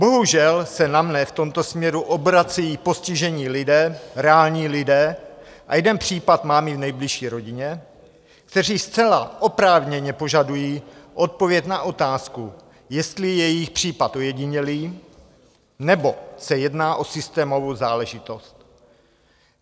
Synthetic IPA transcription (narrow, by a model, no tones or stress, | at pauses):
bo̞ɦuʒɛlsɛnamnɛft̪o̞mt̪osmɲɛɾuʔobɾat͡sɛjiːpo̞scɪʒɛɲiːlɪdɛːɾɛaːlɲiːlɪdɛːʔa̰jɛdɛnpr̝̥iːpat̪maːmɪvnɛjblɪʃiːɾo̞ɟɪɲɛ | kt̪ɛr̝iːst͡sɛlaʔo̞pɾaːvɲɛɲɛpo̞ʒadujiːʔo̞t̪̚po̞vjɛcnaʔo̞t̪aːsku | jɛst̪lɪjɛjɪxpr̝̥iːpat̪ʔojɛɟɪɲɛliː | nɛbo̞sɛjɛdnaːʔo̞sɪst̪ɛːmo̞vozaːlɛʒɪt̪o̞st̪